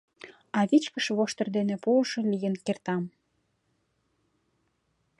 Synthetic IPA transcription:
ɑβit͡ɕkəʃβoʃt̪ə̆rd̪enepuəʃŏlijənkert̪ɑm

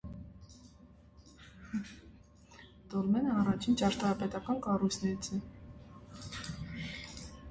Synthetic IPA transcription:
d̪̥ɔlmɛnəɑrɑt͡ʃʰint͡ʃɑɾt̪ɑɾɑpɛt̪ɑkɑnkɑrujt͡sʰnɛɾt͡sʰɛ

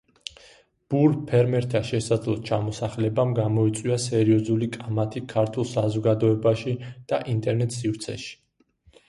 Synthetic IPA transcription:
b̥uɾpʰɛɾmɛɾt̪ʰaʃɛsad̪zlˠɔt͡ʃʰamɔsaχlɛbamɡamɔit̪sʼwiasɛɾiɔzulikʼamat̪ʰikʰaɾt̪ʰulˠsazɔɡad̪ɔɛbaʃid̪̥aʔint̪ʼɛɾnɛt̪ʰʼsifɾt̪sʰɛ̰ʃi̥

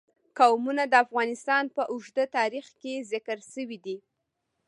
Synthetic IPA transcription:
kawmunad̪əafɣɑnɪst̪ɑnpəʔʊʒd̪ət̪ɑɾixkezɪkəɾsəwid̪i

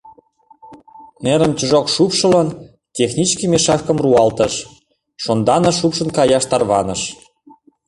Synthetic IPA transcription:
neɾə̆mt͡ɕuʒokʃupʃɤ̆lən | tʲexnʲit͡ɕkimeʃɑkə̆mruɑlt̪ə̆ʃː | ond̪ɑnɤ̆ʃupʃɤ̆nkɑjɑʃt̪ɑrβɑnə̆ʃ

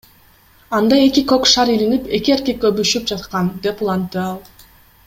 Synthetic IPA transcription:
ɑnd̪ɑe̞kikøkʃɑɾilinipe̞kieɾkekøbyʃyp̚d͡ʒɑt̪qɑnd̪e̞pulˠɑnt̪ːɯɑlˠ

